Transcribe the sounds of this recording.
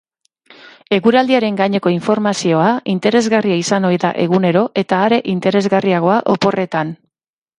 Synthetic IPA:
e̞ɣuɾald̪iaɾe̞ŋɡaɲe̞ko̞iɱfo̞ɾmasio̞aint̪e̞ɾe̞zɣariaisano̞jðaʔe̞ɣune̞ɾo̞ʔe̞t̪aːɾe̞ʔint̪e̞ɾe̞zɣariaɣ̞o̞aʔopo̞re̞t̪an

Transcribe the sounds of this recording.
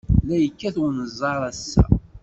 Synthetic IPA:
læjəkːæθwnəzˤɑɾˤæsːæ̰

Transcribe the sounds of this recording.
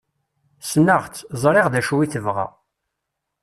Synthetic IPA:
snːəʁt͡sːzˤɾˤeʁðæʃwiθəvʁa̰

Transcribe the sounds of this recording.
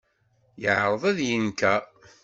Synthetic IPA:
jəʕɾˤəðˤæðjənkæ

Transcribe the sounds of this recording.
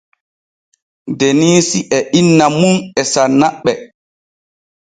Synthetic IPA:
deniːsiʔɛʔinːamunɛsanːaɓːɛ

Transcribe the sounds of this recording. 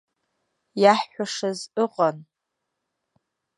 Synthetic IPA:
jaħːʷaʂazɨqʼan

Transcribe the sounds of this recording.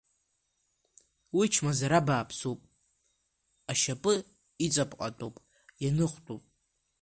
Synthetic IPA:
wit͡ʃʰmazaɾabaːpʰsupʼ | aʃapʼɨ | it͡sʼapʼqʼa̰tʼopʼ | janɨχʷtʼopʼ

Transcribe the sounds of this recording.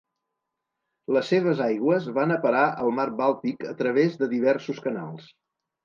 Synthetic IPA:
ləsːeβ̞əzajɣwəzβanəpəɾaʔəlˠmarβalˠt̪ikət̪ɾəβ̞ezðəðiβ̞ɛrsuskəna̰lˠs

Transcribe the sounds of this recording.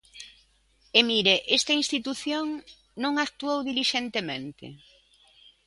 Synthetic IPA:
emiɾeʔest̪ɐinst̪it̪uθjoŋ | nõŋak̚t̪uowðiliʃent̪emẽnt̪ɪ̰

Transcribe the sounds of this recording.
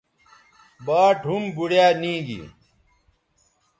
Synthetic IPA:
baːʈɦumbuɽjaːnĩːɡḭ

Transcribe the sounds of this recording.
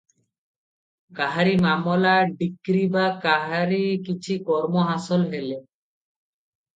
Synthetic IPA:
kaɦaɾimamolaɖikɾibakaɦaɾikit͡ɕʰikɔɾmoɦasolɦele

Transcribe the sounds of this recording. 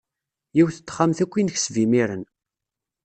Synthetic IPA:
jiwθət̪ːχːamθækʷːinçsvimiɾən

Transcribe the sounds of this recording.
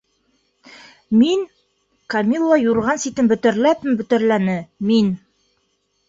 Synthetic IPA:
min | kɐmʲilˠːɑjuɾʁɑnsit̪ɘmbɵ̆t̪ɘ̆ɾlæp̚mɘmbɵ̆t̪ɘ̆ɾlænɘmin

